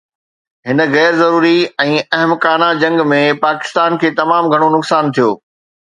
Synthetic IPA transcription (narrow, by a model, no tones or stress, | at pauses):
ɦɪnə̆ɣɛːɾzɐɾuːɾiɛ̃ːɐɦəmkaːnad͡ʑɐ̃ŋɡmẽpaːkɪ̥st̪aːnkʰeːt̪ɐmaːmɡʱɐɽ̃onʊksaːnt̪ʰijo̰ː